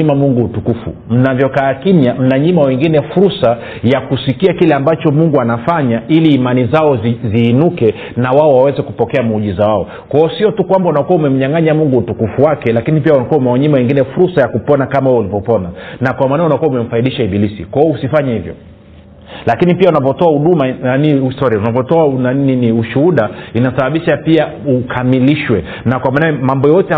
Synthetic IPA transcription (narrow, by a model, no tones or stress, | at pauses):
imamuŋɡuːtukufṵm̩navjɔkaːkimjam̩naɲimawɛŋɡinɛfuɾsa | jakusikiakilɛambat͡ʃɔmuŋɡuanafaɲaʔiliːmanizaɔzziːnukɛ | nawaɔwawɛzɛkupɔkɛamuʄizawaɔ | kwaɔsiɔtukwambaunakuaumɛm̩ɲaŋaɲamuŋɡuːtukufuwakɛlakinipiaunakuaumɛaɲimawɛŋɡinɛfuɾsajakupɔnakamawɛulivɔpɔnanakwamanaɛunakuaumɛm̩faiɗiʃaiɓilisḭkwaɔusifaɲɛhivjɔ̰ | lakinipiaunapɔtɔahuɗumaaniistɔɾiaunapɔtɔananininiuʃuhuɗainasaɓaɓiʃapia | ukʰamiliʃwɛ | nakwamanamambɔjɔtɛ